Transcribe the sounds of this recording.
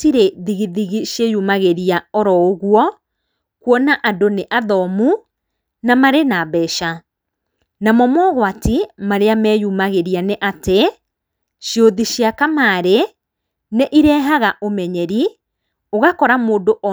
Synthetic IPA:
tiɾeðiɣiðiɣiʃjejumaɣeɾiaɔɾɔoɣwɔ | kwɔnaʔadoneʔaðɔmu | namaɾenaβɛʃa | namɔmɔɣwatimaɾeamɛːjumaɣeɾianeʔate | ʃjoðiʃjakamaːɾe | neʔiɾɛɦaɣaʔomɛɲɛɾi | oɣakɔɾamoːndoʔɔ

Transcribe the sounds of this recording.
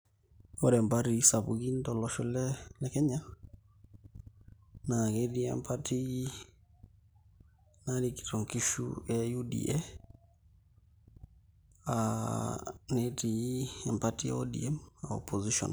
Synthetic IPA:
ɔɾɛmbaɾisaβuɣindɔlɔʃɔlɛlɛkɛɲa | naɣediɛ̰mpʰatʰiɣi | naniki̥tɔŋkiʃṵɛjudḭɛ | a̰ | netiɛmpatiɔdḭɛmɔ̰pʰɔziʃɔ̰n

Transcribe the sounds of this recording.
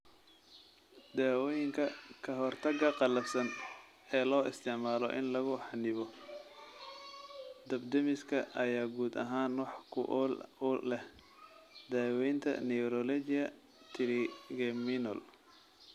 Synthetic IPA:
d̪aːwɔjɪŋkʰɐkʰɐɦɔrt̪ʰɐɡɐqɑlɐfsɐn | ɛːlɔːʔɪst̪ʰɪʕmaːlɔ̰ʔɪ̰nlɐɣʊħɑnɪβɔ | d̪ɐbd̪ɐmɪskʰɐʔɐjaːɡuːd̪ɐ̰ɦaːnwɑħkʰʊ̰ʔɔlʊlɛh | d̪aːwɛjnt̪ʰɐ̰nɛɾɔlɔt͡ʃɪɐ | t̪ʰɪɾɪɡɛmɪnɔ̰l

